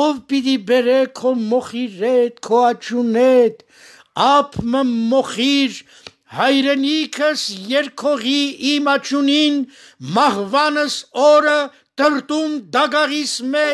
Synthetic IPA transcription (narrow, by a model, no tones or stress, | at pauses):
ɔvpit̪ibɛɾɛkʰɔmɔχiɾɛt̪̚kʰɔɑt͡ʃʰunɛt̪ | ɑpʰməmɔχiɾ | hɑjɾɛnikʰəsjɛɾkʰɔʁiimɑt͡ʃʰuninmɑhvɑnəsɔɾə | t̪əɾt̪umd̪ɑɡɑʁismɛ